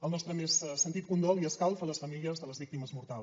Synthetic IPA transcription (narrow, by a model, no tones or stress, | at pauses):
əlˠnɔst̪ɾəmessənt̪it̪̚kund̪ɔlˠiəskalˠfələsfəmiliəzðələzβik̚t̪iməzmuɾt̪alˠ